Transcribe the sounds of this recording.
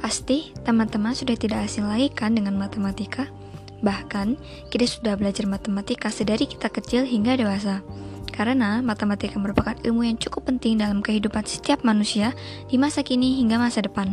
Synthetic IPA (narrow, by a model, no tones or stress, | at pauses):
past̪it̪əmant̪əmansudaht̪idakːsɪŋlaikandəŋanmat̪əmat̪ikʰa | bahkan | kit̪asu̥dahbəlad͡ʒarmat̪əmat̪ikasədaɾiki̥t̪akət͡ʃɪlɦiŋɡadewas̬akaɾənamat̪əmat̪ikaməɾupakanilmujaŋt͡ʃukʊpːənt̪ɪŋdalamkəɦidupansə̥t̪iap̚manusia | d̥imasakiniɦiŋɡamasadəpan